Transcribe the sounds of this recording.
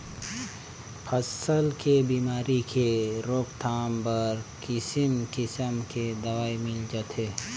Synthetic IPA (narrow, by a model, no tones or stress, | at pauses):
pʰɐsəlkebiːmaːɾikeɾoːkt̪ʰaːmbəɾkɪsimkɪsəmked̪ɐʋaːimɪld͡ʒət̪ɦeː